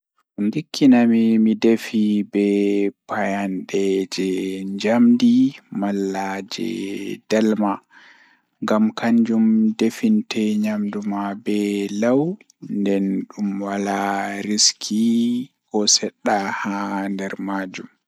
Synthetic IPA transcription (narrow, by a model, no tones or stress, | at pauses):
ʔundikʰːinamimidefibɛpajanɗɛd͡ʒɛɲd͡ʒamdimalːad͡ʒɛ̰d̥alma | ŋɡamkaɲd͡ʒumdefintʰɛɲamdumabɛlaw | ndɛnɗumwalaɾiskʰi | kɔsɛɗːahandɛɾmaːd͡ʒum